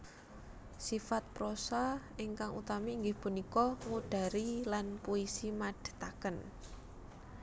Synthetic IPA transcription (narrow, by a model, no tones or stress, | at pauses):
sifat̪̚pɾosa | ɪŋkaŋṵt̪amiːŋɡɪhpunikɔŋuɖ̥a̤ɾilanpuisimaɖ̥ə̤̥t̪akən